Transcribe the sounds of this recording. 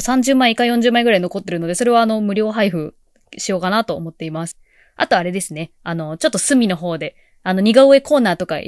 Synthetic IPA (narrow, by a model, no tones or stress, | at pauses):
sãɲ̟d͡ʑɨːmaiikːaijõ̞ɲ̟d͡ʑɨːmaiɡɯɾaino̞ko̞t̪ːe̞ɾɯ̟no̞d̪e̞so̞ɾe̞βaːno̞mɯ̟ɾʲo̞ːɦaiɸɯ̟ | ɕijo̞ːkanat̪o̞ːmo̞t̪ːe̞imasɨ̥ | a̰t̪o̞aɾe̞d̪e̞sɨne̞ | ano̞t͡ɕo̞t̪ːosɨmʲino̞ɦo̞ːd̪e̞ | ano̞ɲ̟iɡaɯe̞ko̞ːnaːt̪o̞ka̰